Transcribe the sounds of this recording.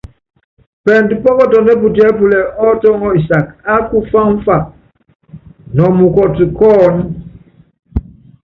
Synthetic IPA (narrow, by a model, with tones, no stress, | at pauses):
pɛ˨n˨ti˨pɔ˦kɔ˦tɔ˨nɛ˦p̬u˨ti˦ɛ˨˦p̬u˨lɛ˨ʔɔ˦tɔ˦ŋɔ˦i˨sa˨ka˦ku˦fa˦ɱ˦fa˨p̚ | nɔ˨mu˨kɔ˨ti˨kɔː˦n˦